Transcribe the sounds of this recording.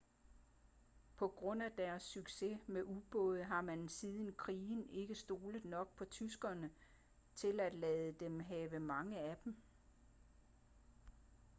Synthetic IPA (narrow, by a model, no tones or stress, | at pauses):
pʰɒ̽ɡ̥ʁɔ̽n̰æd̥æɐsːyɡ̥se̝meʔub̥ɔ̽ːð̞̩ˠɦɑ̈mænsiðˠən̩kʰʁiːne̝ɡ̥əsd̥o̝ːləð̩ˠnɒ̽ɡ̥̚pʰɒ̽t͡sʰysɡ̥ɐnə | t͡sʰe̝læd̥lɛːð̩ˠəd̥emɦɛːʋəmɑ̈ŋəæd̥m̩